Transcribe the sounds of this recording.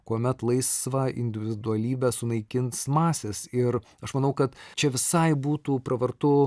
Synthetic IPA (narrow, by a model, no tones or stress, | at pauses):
kuɔmʲɛt̪lˠɐɪsʋɐɪ̰nʲd̪ʲɪʋʲɪd̪ʊɐlʲiːbʲɛsʊnɐɪkʲɪnsmɑːsʲeːsɪɾ | ɐʃmɐnɐʊkɐt̪t͡ʃʲɛʋʲɪsɐɪbuːt̪uːpɾɐʋɐɾt̪ʊ